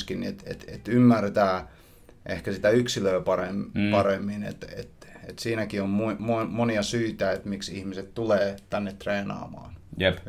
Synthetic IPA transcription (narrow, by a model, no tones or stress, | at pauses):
skinniet̪ḛt̪et̪ymːært̪æː | ʔehkæsit̪æyksiløːpɑrempɑremːinḛt̪ḛt̪ḛt̪siːnækiommumomoniɑsyːt̪æet̪miksihmiset̪t̪uleːt̪ænːet̪t̪reːnɑ̰ːmɑ̰ːnjep